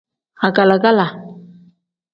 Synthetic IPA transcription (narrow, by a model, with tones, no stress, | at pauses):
a˨ka˨la˨ka˦la˨